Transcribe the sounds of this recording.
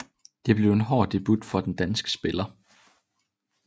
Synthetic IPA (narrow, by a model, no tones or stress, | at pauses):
d̥e̝b̥le̝ʊe̝nɦɒ̰ːd̥e̝b̥ud̥fɒ̽d̥end̥ænsɡ̥ə̥sb̥e̝lɐ